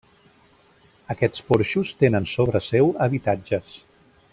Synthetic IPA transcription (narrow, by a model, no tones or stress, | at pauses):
əkɛt͡spoɾʃust̪enənsoβ̞ɾəsɛwəβit̪ad͡ʒəs